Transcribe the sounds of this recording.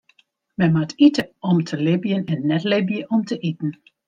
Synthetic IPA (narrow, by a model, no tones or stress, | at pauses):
mɛnmatʰitəɔmtʰəlɪbjənɛnːɛtlɪbjəʔɔmtʰəʔitn̩